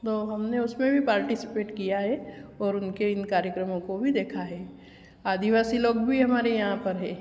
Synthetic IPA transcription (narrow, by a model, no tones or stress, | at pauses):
t̪oːɦɐmneʊsmẽbʱipaːɾʈisɪ̥peːʈkijaɦɛɔːɾʊnkeɪnkaːɾjəkɾəmõkobʱid̪eːkʰaɦɛː | aːd̪ʱiʋaːsiloːɡbʱiɦɐmaːɾejɐɦãpɐɾɦɛ̃ː